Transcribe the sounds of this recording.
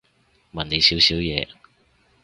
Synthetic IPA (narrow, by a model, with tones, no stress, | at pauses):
mɐ˨ne˨˧jsiː˨˥wsiː˨˥wjɛː˨˧